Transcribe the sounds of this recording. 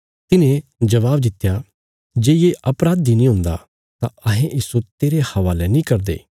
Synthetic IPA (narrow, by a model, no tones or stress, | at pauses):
t̪ɪnẽd͡ʒɐʋaːbd̪ɪt̪ːja | d͡ʒeːjeʔɐpɾaːd̪inĩːɦʊ̃nd̪a̰ | t̪ãɐɦẽʔiːsot̪eːɾehɐʋaːlɛnĩkɐɾd̪ḛː